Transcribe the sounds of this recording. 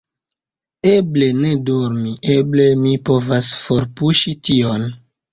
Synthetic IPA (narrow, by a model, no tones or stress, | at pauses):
e̞ble̞ne̞doɾmiʔeble̞mipo̞vasfo̞ɾpuʃition